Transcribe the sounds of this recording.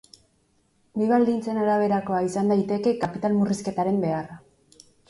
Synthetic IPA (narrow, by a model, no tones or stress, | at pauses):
biβ̞ald̪int͡se̞naɾaβ̞e̞ɾako̞aisand̪ajt̪e̞ke̞kapit̪almuriske̞t̪aɾe̞mbe̞ara